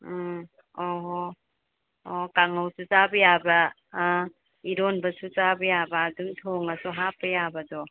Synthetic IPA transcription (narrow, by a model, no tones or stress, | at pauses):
oɦ | okaŋawsut͡ʃabɐjabɐ | iɾonbɐsut͡ʃabɐjabɐːdumtʰoŋɐsuɦapːɐjabɐdɔ